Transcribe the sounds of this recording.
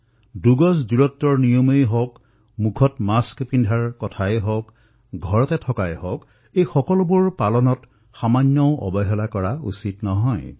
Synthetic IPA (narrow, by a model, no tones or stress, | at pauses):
duɡɔsduɹɔtːɹɔɹnijɔmejɦɔk | mukʰɔtmaskpindʱaɹkɔtʰajɦɔk | ɡʱɔɹɔtɛtʰɔkajhɔk | ejxɔkɔlʊbʊɹpalɔnɔt | xamanjɔʊʔɔ̰bɔɦɛlakɔɹausitnɔɦɔj